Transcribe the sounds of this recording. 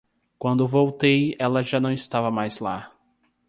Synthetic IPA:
kwɐ̃nd̪ʊvowt̪ejɛlɐʒanɐ̃w̃ɪst̪avɐmajzla

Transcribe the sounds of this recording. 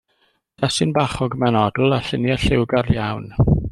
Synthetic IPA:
d̥asɪnbaχɔɡmɛnɔdl̩ˠaɬənjaɬɪwɡarjawn

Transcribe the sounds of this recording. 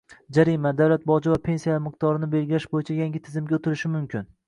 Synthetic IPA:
d͡ʒaɾimad̪awlat̪̚bɒd͡ʒɪvapʰe̞nsijalmɪq̚t̪ɒɾɪnɪbe̞lɡʲɪlaʃbojɪt͡ʃʰajaŋɡʲɪt̪ʰɪzɪmɡʲaot̪ʰɪɾɪʃɪmʊmkʲʰɪn

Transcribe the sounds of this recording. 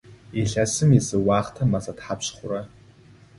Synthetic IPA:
iɬɐsɨmizɨwɑːχtʰɐmɐzɐtħapɕχʷʊɾɐ

